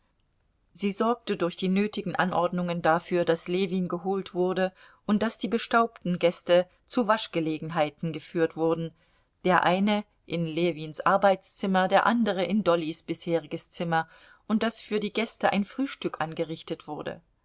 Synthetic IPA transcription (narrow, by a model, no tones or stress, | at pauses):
ziːzɔɐk̚tədʊɐçd̥iːnøːtɪɡŋ̩ʔanʔɔɐdnʊŋəndafyːɐdasleːviːnɡəɦoːltv̥ʊɐdə | ʔʊnt̚d̥asd̥iːbəʃtaʊp̚tn̩ɡɛstə | t͡suvaʃɡ̥əleːɡŋ̩ɦaɪtn̩ɡəfyːɐtv̥ʊɐdn̩ | d̥eːɐʔaɪnə | ʔɪnleːviːnsʔaɐbaɪt͡st͡sɪmɐdeːɐʔandəʁ̞əʔɪndɔlisb̥ɪsheːʁɪɡəst͡sɪmɐ | ʔʊnt̚d̥asfyːɐdiːɡɛstəʔa̰ɪnfʁ̥yːʃtʏkʔanɡəʁɪçtətv̥ʊɐdə̰